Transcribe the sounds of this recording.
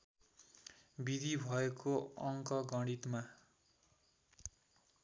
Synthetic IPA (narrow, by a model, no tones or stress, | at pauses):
bid̪ʱibʱʌekoʌŋkʌɡʌɽ̃it̪ma